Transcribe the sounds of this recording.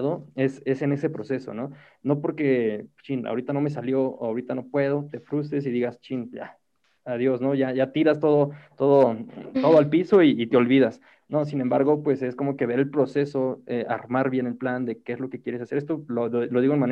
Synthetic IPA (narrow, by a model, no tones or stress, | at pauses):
ðoe̞se̞se̞ne̞se̞pɾo̞se̞so̞̰no̞ | no̞po̞ɾke̞t͡ʃina̰oɾit̪ano̞me̞s̬aljoawɾit̪ano̞pwe̞ðo̞t̪e̞fɾus̬t̪e̞s̬iðiɣast͡ʃina̰ | aðjo̞sno̞ʝaʝat̪iɾast̪o̞ðot̪o̞ðot̪o̞ðoalpiso̞iːt̪eo̞lβiðas | no̞s̬inembaɾɣo̞pwe̞se̞sko̞mo̞ke̞βe̞ɾe̞lpɾo̞se̞so̞ea̰ɾmaɾβje̞nelpland̪e̞keezlo̞ke̞kje̞ɾe̞sase̞ɾest̪ololo̞ðiɣonmãn